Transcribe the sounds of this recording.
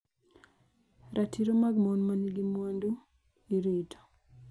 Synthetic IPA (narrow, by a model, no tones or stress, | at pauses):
ɾʔatʰiɾomaɡmonmaniɡimwandu | iɾido̥